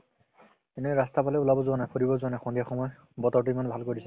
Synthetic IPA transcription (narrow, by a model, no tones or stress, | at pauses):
eneɹastapalɛulabɔzʊwanajpʰoɹibɔzʊanajxɔndijaxɔmɔj | bɔtɔɹtuimanbʱalkoɹisɛ